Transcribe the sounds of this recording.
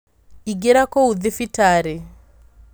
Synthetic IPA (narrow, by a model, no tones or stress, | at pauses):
iɡɛɾakɔuðɪfitaɾɛ